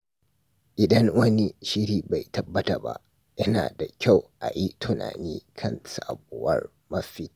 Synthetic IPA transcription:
ʔɪ˨dɐ˦ŋwɐ˦ni˦ʃɪ˦ɽiː˨ba˨jtɐ˦bːɐ˦ta˨ba̰˦ʔ | jɐ˦na̰ː˨da˨kʲa˦˨wʔa̰˨ji˦tʰʊ˨na̰ː˨niː˦kʰɐ˦˨nsa˨bʊ˨wɐ˦r | mɐ˦fi˦˨

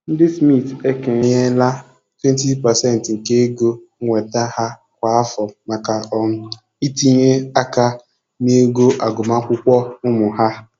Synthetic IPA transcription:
n̩˦dɪ˦smi˦˨te˦ke˨ɲe˦la˦ | twe˦n˦ti˦pa˨sɛ˦˨n̩˨tŋ̩˨ke˦ɡo˦ŋ̩˦ŋʷe˨ta˦ha˦ | kʷa˨a˦fɔ˨ma˨ka˨ɔ˨m̩˨ | i˦ti˦ɲe˦a˦ka˦ | ne˦ɡo˦ʔa˨ɡʊ˨ma˦kʷʊ˦kʷɔ˦ʊ˦mʊ˨ɦa˦

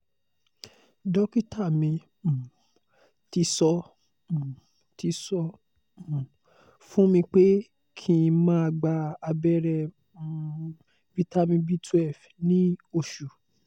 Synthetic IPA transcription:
dɔ˦ki˦ta˦˨mĩ˧ | m̩˨ | ti˧sɔ̃˧˨ | tʰi˧sɔ˧˨ | fũ˦mĩ˧k͡pe˦ | kʰĩ˧mãː˦a˧ɡ͡ba˧a˧bɛ˦ɾɛ˧˦ | vi˧ta˦mĩ˧bi˦tʰɛ˦˨f | nĩ˦o˧˨ʃu˨

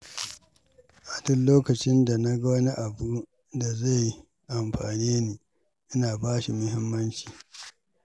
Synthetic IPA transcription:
ʔa˨dʊ˦nloː˦kɐ˨t͡ʃɪ˦nda˨na˦ɡɐ˦wɐ˦ni˦ʔa˨buː˦ | da˨za˦˨j | ʔa˨mɸa̰ː˨niː˦niː˨ | ʔɪ˦naː˨baː˦ʃi˨mʊ˦ɦɪ˦mːɐ˦nt͡ʃi̥ː˨

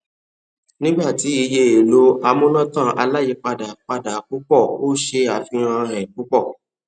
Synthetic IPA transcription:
nĩ˦ɡ͡ba˦˨ti˨˦i˧je˧˦e˨lo˨˦a˧mõ˦lã˦tã˦˨ʔa˧la˦ji˧˦k͡pa˧da˨k͡pa˧da˨˦k͡pu˦k͡pɔ˦˨o˦ʃe˧a˨fĩ˧ɾ̃ã˧ɾɛ̃˨k͡pu˨˦k͡pɔ˦˨

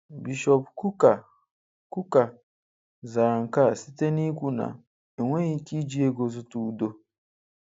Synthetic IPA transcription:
bi˨ʃɔ˨pkʰu˦ka˨ | ku˦ka˨ | zaː˨ŋ̩˨ka˦˨si˦tʰe˦nĩ˦ku˦nã̰˨ | e˨ŋʷɛ̃˦i˨kʰi˦d͡ʑi˦e˦ɡo˨zʊ˦tu˦do˦

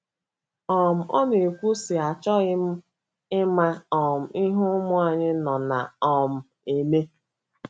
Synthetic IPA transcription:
ɔ˨m̩˨ɔ̰˦ne˨kʷu˦sɪ˨a˨t͡ʃɔ˦ɣɪ˦m̩˦ | ɪ˦ma˦ɔ˨m̩˨ɪ˦ɦʊ˦mʊ˦a˨ɲɪ˦nɔ˨na̰˨ɔ˨m̩˨ | e˨me˦

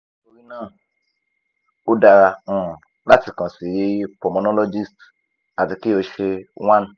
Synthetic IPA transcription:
o˧ɾi˦nãː˦˨ | o˦da˧ɾa˧ɔ̃˦˨ | la˦ti˨kɔ̃˨si˨ji˦pɔ˨mɔ˨nɔ˦lo˦d͡ʒi˦st | a˨ti˨˧ki˦o˧ʃe˧w̃ã˦n˨

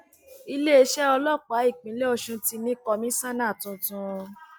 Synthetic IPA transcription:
i˧le˦e˧ʃɛ˦ɔ˧lɔ˦˨k͡pa˨˦i˦˨k͡pĩ˨˦le˦ɔ˧ʃũ˧ti˧nĩ˦kɔ˧mĩ˦sã˦nã˦˨tũ˧tũ˧

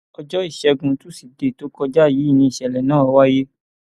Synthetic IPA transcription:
ɔ˧d͡ʒɔ˦i˦˨ʃɛ˧ɡũ˧tu˦si˨de˨to˨˦kɔ˦d͡ʒa˦˨ji˨˦˨nĩ˧i˨ʃɛ˨lɛ˨nãː˦˨ɔ˧wa˦je˦

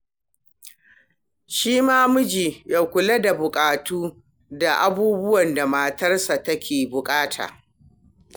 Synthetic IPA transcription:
ʃiː˦maː˦mʊ˦d͡ʒiː˨ja˨kʷʊ˨le˦da˨bʊ˨kʼaː˨tuː˦ | da˨ʔa˦buː˦bʊ˦wɐ˨nda˨maː˨tɐ˦rsa˨tɐ˦kʲʰeː˨bʊ˨kʼaː˦tʰa̰ː˨

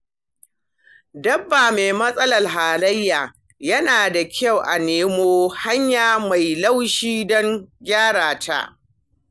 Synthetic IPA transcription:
dɐ˦bːaː˨meː˨mɐ˦sʼɐ˦lɐ˨rɦaː˨lɐ˦jːaː˨ | jɐ˦naː˨da˨kʲa˦˨wʔa˨neː˦moː˦ha˦ɲjaː˨ma˨jlɐ˦wʃiː˦dɔ˦ŋɡʲaː˦ɽaː˨tʰa̰˦ʔ

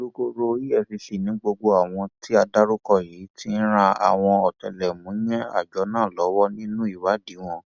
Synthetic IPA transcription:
o˦˧ko˧ɾo˧i˦jɛ˦˨fi˧ʃi˨nĩ˨˦ɡ͡bo˧ɡ͡bo˧a˨w̃ɔ̃˧ti˦a˧da˦ɾo˦kɔ˦˨ji˨˦ti˦n̩˦ɾ̃ã˧a̰˨w̃ɔ̃˧ɔ˨tɛ˨lɛ˨mũ˨˦j̃ɛ̃˦a̰˦˨d͡ʒɔ˨˦nãː˦˨lɔ˨˦wɔ˦nĩ˦nũ˦i˦˨wa˨˦di˨˦w̃ɔ̃˧

